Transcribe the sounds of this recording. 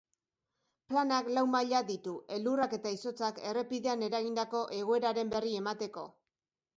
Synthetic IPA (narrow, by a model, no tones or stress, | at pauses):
planaklawmaʎaðit̪uʔe̞lurake̞t̪aiso̞t͡sake̞re̞piðe̞ane̞ɾaɣind̪ako̞ʔe̞ɣ̞o̞e̞ɾaɾe̞mbe̞rie̞mat̪e̞ko̞̰